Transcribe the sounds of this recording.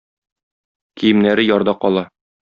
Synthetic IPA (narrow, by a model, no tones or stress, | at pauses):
kʰijɘ̆mnæɾɘjɒɾd̪ɑqɒlˠɑ